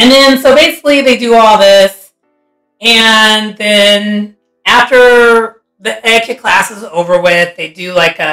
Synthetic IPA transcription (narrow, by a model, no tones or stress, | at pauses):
ɨ̃nðɨ̃nsoʊbeɪsɪ̥kliðeɪdɨɔlˠðɪs | ɨ̃nðɨ̃n | æftə˞ | ðiʔɛkʰɨkʰl̥æsəzoʊvə˞wɪððeɪdɨlaɪkɨ